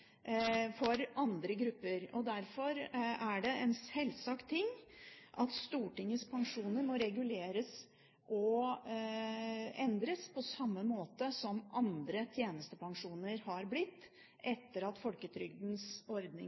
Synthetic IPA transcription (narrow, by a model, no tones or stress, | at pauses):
fɔɾɑnd̪ɾəɡɾʉpːəɾɔd̪æɾfɔɾæɖɛɛnsɛlsɑkt̪ʰːɪŋːʔɑt̪st̪uːʈɪŋːəspʰɑŋʂuːnəɾmɔɾɛɡʉleːɾəs | ʔɔ | ɛnd̪ɾəspʰɔsɑmːəmoːt̪əsɔmʔɑnd̪ɾət̪ʰjeːnəst̪əpʰɑŋʂuːnəɾhɑɾblɪt̪ː | ʔɛt̪ːəɾɑt̪fɔlkət̪ʰɾʏɡd̪nsɔɾd̪nɪ̰